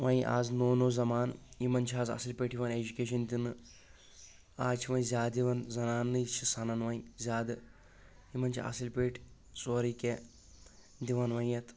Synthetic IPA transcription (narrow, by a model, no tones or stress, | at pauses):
ʋɐ̃ĩʔa̰ːznoːnoːzɐmaːnimɐnt͡ʃʰiaːzɐ̰silpʲeːʈjiʋɐned͡ʒukʲeːʃ̬ɐnd̪ʲinɨ | aːt͡ʃʰiʋɐ̃ĩzʲjaːiʋɐnzɐnaːnːɨit͡ʃʰisɐnɐnʋɐĩzʲjaːd̪ɨ | imɐnt͡ʃʰiɐ̰silpeːʈʰ | soːɾike | d̪iʋɐnʋɐjjɐt̪ʰ